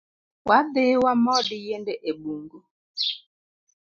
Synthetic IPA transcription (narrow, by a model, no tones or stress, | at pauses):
waɗewamɔdijendɛʔebuŋɡu